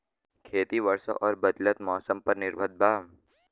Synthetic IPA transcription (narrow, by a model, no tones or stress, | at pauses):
kʰeːt̪iʋɐɾso̰ʔɔːɾbɐd̪lət̪mɔːsəmpɐɾnɪɾbʱəd̪̚bʱaːm